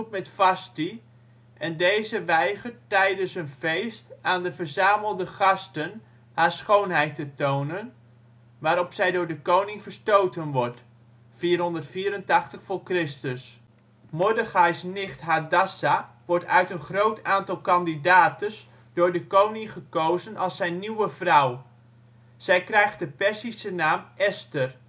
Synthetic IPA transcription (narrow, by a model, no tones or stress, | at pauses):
t̚mɛtfɑsti | ɛndejzəʋɛjχəɹtːɛjdənsənvejstaːndəvəɹzaːməlˠdəχɑstən | haːɹsχownɦɛjtətownən | ʋaːɾɔpsɛjdʊːɹdəkownɪŋv̥əɹstowtənʋɔɹt | fiːrɦɔndəɹtfiːɾəntɑχtəχfʊːɹkrɪstəs | mʊdəχajsnɪχtɦadasa | ʋɔɹtœɥtənχrowtʰaːntɑlˠkɑndidaːtəs | dʊːɹdəkownɪŋχəkowzənʔɑlˠsɛjnːiwəvraw | sɛjkrɛjχt̚dəpɛɹsisənaːmʔɛstər